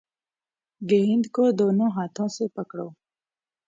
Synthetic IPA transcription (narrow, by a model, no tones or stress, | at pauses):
ɡeɦɪnd̪kod̪onõɦɑt̪ʰõsepəkɽo̰